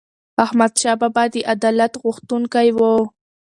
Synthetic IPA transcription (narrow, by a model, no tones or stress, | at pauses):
ahmad̪ʃababad̪iʔad̪alat̪ɣʊxt̪uŋkajwo